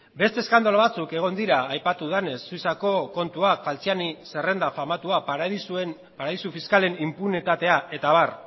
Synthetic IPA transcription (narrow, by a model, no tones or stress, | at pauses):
be̞st̪e̞skand̪olaβat͡suke̞ɣ̞o̞nd̪iɾaːjpat̪uðanesːujsako̞ko̞nt̪uakfalt͡sianise̞re̞nd̪afamat̪uasen | paɾaðisufiskale̞nimpunit̪at̪e̞aʔe̞t̪aβ̞ar